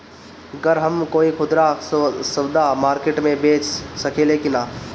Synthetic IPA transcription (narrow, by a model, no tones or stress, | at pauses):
ɡəɾɦəmkoikʰʊd̪ɾasəbd̪ʱamaːɾkeʈmẽbeːt͡ʃsəkeːlekina